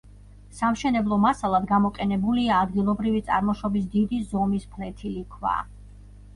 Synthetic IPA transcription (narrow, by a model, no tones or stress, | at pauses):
samʃɛnɛblˠɔmasalˠad̪ɡamɔqʼɛnɛbuliaːd̪ɡilˠɔbɾivit̪sʼa̰ɾmɔʃɔbisd̪id̪izɔmispʰlɛt̪ʰilikʰwa̰